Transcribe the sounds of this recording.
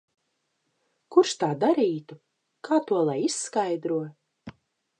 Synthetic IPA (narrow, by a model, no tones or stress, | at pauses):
kuɾʃt̪aːd̪aɾiːt̪u | kaːt̪uɔlˠajisːkajd̪ɾuɔ